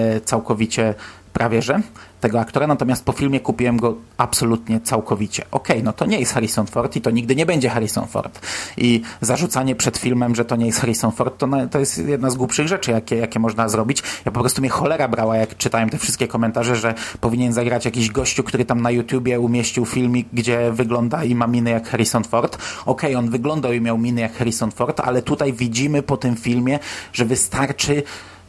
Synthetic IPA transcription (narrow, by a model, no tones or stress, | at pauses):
t̪sawkɔvʲit͡ɕɛ | pɾʔavʲjɛʐɛt̪ɛɡɔak̚t̪ɔɾanat̪ɔmʲjast̪̚pɔfʲilmʲjɛkupʲiwɛmɡɔapsɔlut̪ɲɛt̪sawkɔvʲit͡ɕɛʔɔkɛjnɔt̪ɔɲɛjɛst̪xaɾisɔnfɔɾt̪it̪ɔɲiɡ̚d̪ɘɲɛbɛɲd͡ʑɛxaɾisɔ̰nfɔ̰ɾt̪ʔizaʐut̪saɲɛpʂɛt̪fʲilmɛmʐɛt̪ɔɲɛjɛst̪xaɾisɔnfɔɾt̪ːɔnat̪ɔjɛst̪jɛd̪̚nazɡwupʂɘɣʐɛt͡ʂɘjakʲɛjakʲɛmɔʐnazɾɔbʲit͡ɕjapɔpɾɔst̪umʲjɛxɔlɛɾabɾawajakt͡ʂɘt̪awɛmt̪ɛfʂɨst̪kʲɛkɔmɛnt̪aʐɛʐɛpɔvʲiɲɛnzaɡɾat͡ɕjak̬ʲiʑɡɔɕt͡ɕukt̪uɾɘt̪amnajut̪ʲjubʲjɛumʲjeɕt͡ɕiwfʲilmʲiɡd͡ʑɛvɘɡlɔnd̪aimamʲinɘjakxɛɾisɔnfɔɾt̪ɔkʰɛjɔnvɘɡlɔnd̪awimʲjawmʲinɘjakxɛɾisɔnfɔɾt̪a̰lɛt̪ut̪ajvʲid͡ʑimɘpɔt̪ɘmfʲilmʲjɛʐɛvɘst̪aɾt͡ʂɘ